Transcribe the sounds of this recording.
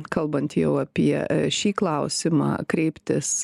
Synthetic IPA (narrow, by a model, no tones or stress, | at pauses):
kɐlˠbɐnt̪jɛʊɐpʲiɛʃʲiːklˠɐʊsʲɪmɑ̰ːkɾʲɛɪpʲt̪ʲɪs